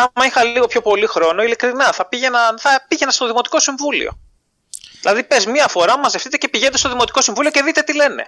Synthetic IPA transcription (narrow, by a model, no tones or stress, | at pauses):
ɐmɐixɐliɣo̞pço̞po̞lixɾo̞no̞ilikɾinɐθɐpiʝenɐnθɐpiʝe̞nɐst̪o̞ðimo̞t̪i̥ko̞siɱvulḭo̞̰ | ðilɐðipe̞zmiɐfo̞ɾɐmɐzeft̪it̪e̞ce̞piʝe̞net̪est̪o̞ðimo̞t̪i̥ko̞siɱvulioce̞ðit̪e̞t̪ile̞ne̞̰